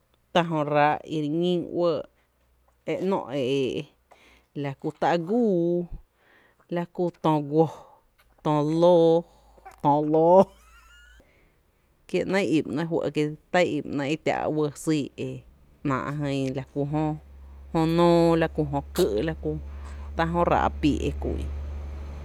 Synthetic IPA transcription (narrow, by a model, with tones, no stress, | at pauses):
t̪a˧ɦõ˧ɾa˧˦ʔi˧ɾɲĩ˦wəː˧ | e˧ʔnɔ̰̃˧ʔe˨e˨ʔ | la˧ku˧t̪a˧ʔɡuː˦ | la˧ku˧t̪õː˧ɡʷo˧ | t̪õː˧˨loː˦ | t̪ɔ̃ː˧˨loː˦ | kje˧ʔnə̃˦jʔi˨mnã˧ɦwə̰˧ʔke˧t̪a˦jʔi˨ʔnã˧i˦t̪ʲa̰˧˨ʔwə˧siː˧˨e˨ | ʔnã̰ː˨ʔɦə̃˧la˧ku˧˨ɦõ˦˧hõ˧nõː˦la˧ku˧ɦõ˧kə˦ʔla˦ku˧t̪ã˧ɦõ˦ɾa̰˨ʔpi˨ʔḛ˧kʷu˧˨ʔḭ˧